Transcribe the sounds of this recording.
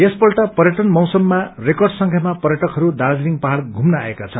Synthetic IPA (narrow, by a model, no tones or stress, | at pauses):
espʌlʈapʌɾjʌʈʌnmʌwsʌmːarekʌrɖsʌŋkʰjamapʌɾjʌʈʌkɦʌɾud̪ald̪iɾiŋpaɦaɽɡʱumnʌa̰ekat͡sʰʌn